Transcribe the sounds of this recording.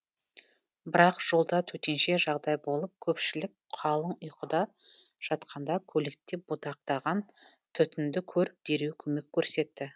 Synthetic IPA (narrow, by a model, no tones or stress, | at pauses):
bɪɾɑqʒ̥o̞lˠd̪ɑt̪ʰɵt̪e̞nʃe̞ʒɑʁd̪ɑjbo̞lˠəp̚kʲʰɵpʃɪlɪk̚qʰɑlˠəɴʊjqʰəd̪ɑ | ʒ̥ɑt̪qʰɑnd̪ɑkʲʰɵlek̚t̪ːep̚b̥ʊt̪ɑq̚t̪ɑʁɑn | t̪ʰʏt̪ɪnd̪ɪkʲʰɵɾɪp̚d̪̥e̞ɾewkʲʰɵme̞kʲʰːɵɾse̞t̪ːɪ